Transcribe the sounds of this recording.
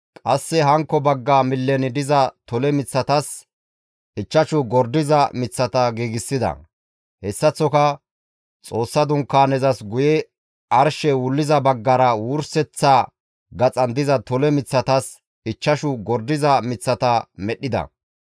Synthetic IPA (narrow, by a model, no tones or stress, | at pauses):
kʼɐsːɛɦɐŋkːɔbɐɡːaːmɪlːɛnɪd̪ɪzɐt̪ɔlɛmɪt͡sːɐt̪ɐs | ɪt͡ʃːɐʃʊɡɔɾd̪ɪzɐmɪt͡sːɐt̪ɐɡiːɡɪsːɪd̪ɐ̰ | hɛsːɐt͡sːɔkɐ | t͡sʼo̞ːsːɐd̪ʊŋkːaːnɛzɐsɡʊjɛ | ɐɾʃɛwʊlːɪzɐbɐɡːɐɾɐwuːɾsɛt͡sːa | ɡɐt͡sʼɐnd̪ɪzɐt̪ɔlɛmɪt͡sːɐt̪ɐs | ɪt͡ʃːɐʃʊɡɔɾd̪ɪzɐmɪt͡sːɐt̪ɐmɛɗːɪd̪ɐ̰